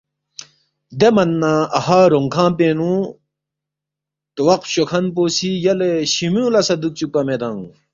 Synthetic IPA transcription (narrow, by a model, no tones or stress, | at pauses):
d̪emɐnːãɐhaːɾoŋkʰãːpeːnũ | t̪wɐq̚ɕokʰɐnpoːsʰijɐleɕimũːlɐsɐd̪uk̚t͡ɕukpːɐmed̪ãŋ